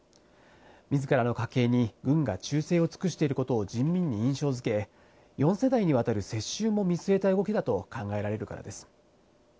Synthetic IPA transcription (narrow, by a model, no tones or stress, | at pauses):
mʲizɨkaɾano̞kake̞ːɲ̟iɡɯ̟̃ŋɡat͡ɕɨːse̞ːo̞t͡sɨ̥kɯ̟ɕi̥t̪e̞iɾɯ̟ko̞t̪o̞ːd͡ʑĩmmʲĩɲ̟ːiĩɰ̃ɕo̞ːzɨke̞ | jõ̞ɰ̃se̞d̪aiɲ̟iβ̞at̪aɾɯ̟se̞ɕːɨːmo̞mʲisɨe̞t̪aɯ̟ɡo̞kʲid̪at̪o̞kãŋɡae̞ɾaɾe̞ɾɯ̟ka̰ɾa̰d̪e̞sɨ̥